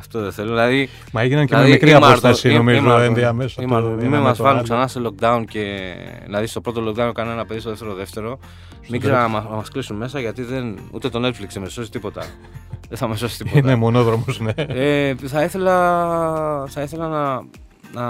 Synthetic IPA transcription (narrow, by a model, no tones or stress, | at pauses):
ɐft̪oðeθe̞loðilɐði | mɐeʝinɐncememikɾiɐmoɾθesinomizoend̪eɐmesosimimemɐzvɐnuksɐnɐselo̞k̚d̪ɐunce̞ | nɐðist̪opɾo̞t̪o̞lo̞k̚d̪ɐunkɐneenɐpe̞ðist̪oðeft̪e̞ɾoðe̞ft̪e̞ɾo̞ | miɡzeɾɐnɐmɐmɐsklisumme̞sɐʝɐt̪iðe̞nṵt̪e̞t̪o̞net̪fliksemeso̞si̥t̪ipo̞t̪ɐ̰ | ðeθɐmɐsosi̥t̪innemo̞noðɾomozneeθɐiθe̞lɐ | θɐiθe̞lɐnɐ | nɐ